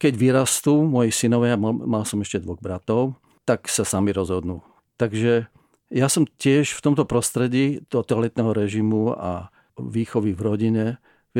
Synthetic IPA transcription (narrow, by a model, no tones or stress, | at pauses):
kɛɟʋiɾast̪uːmɔjisinɔʋjamalsɔmɛʃcɛd̪ʋɔɣbɾat̪ɔʊ | t̪aksasamiɾɔzɦɔd̪nuː | t̪aɡʒɛ | jasɔmcɪɛʃft̪ɔmt̪ɔpɾɔst̪ɾɛɟiːd̪̥ɔt̪ɔalɛt̪nɛɦɔɾɛʒimua̰ | ʋiːxɔʋivɾɔɟiɲɛ